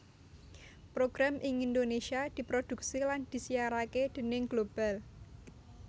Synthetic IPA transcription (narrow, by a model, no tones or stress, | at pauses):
pɾoɡ̥ɾamʔɪŋind̪onesiad̪̥i̤pɾod̪̥ṳk̚siland̪̥i̤siaɾaked̪̥ə̤nɪŋɡlob̥al